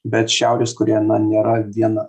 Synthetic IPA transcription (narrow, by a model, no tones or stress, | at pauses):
bʲɛt̪ʃʲæˑʊɾʲeːskʊɾʲiɛnɐnʲeːɾɐʋʲiɛnɐ